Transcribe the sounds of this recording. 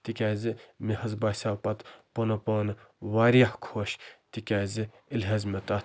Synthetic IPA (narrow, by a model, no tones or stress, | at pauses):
t̪ikʲaːzimiɦɐzbaːsʲaːpɐt̪ponɐpoːnʋaːɾijahkʰoːʃt̪ikʲaːzi | ilɦezmʲet̪ɐ